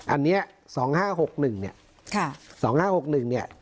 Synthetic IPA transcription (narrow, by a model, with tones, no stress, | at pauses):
ʔa̰˧nːiː˦˥ɐ | sɔː˩˦ŋhaː˥˩ɦo˨˩k̚nɯ˨˩ŋni˦˥˩ɐ | kʰa˥˧˩sɔː˩˦ŋhaː˥˩ho˨˩k̚nɯ˨˩ŋni˥˩ɐ